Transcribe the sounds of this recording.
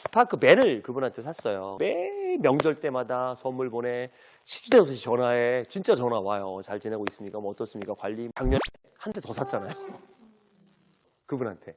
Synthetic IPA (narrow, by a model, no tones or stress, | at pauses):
sʰɯ̥pʰakʰɯme̞nɯɭkɯbunɦantʰe̞sʰas͈ʌjomemjʌŋd͡ʑʌɭt͈e̞madasʰʌmːuɭbone̞ | ɕʰi̥t͡ɕ͈ʰudeosʰaɕʰit͡ɕʌnwaet͡ɕint͡ɕ͈at͡ɕʌnawajot͡ɕaɭt͡ɕinaɡois͈ɯmɲik͈amʌʌt͈ʌs͈ɯmɲik͈akwaʎːitaŋɲʌntʰehandʰe̞tʌsʰat͡ɕ͈anajo | kɯbunɦantʰe̞